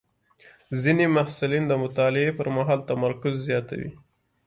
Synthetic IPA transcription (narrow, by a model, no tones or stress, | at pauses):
zinemahsʊlind̪əmʊt̪ɑlɪepəɾmaɦɑlt̪amaɾkʊzːjɑt̪a̰wḭ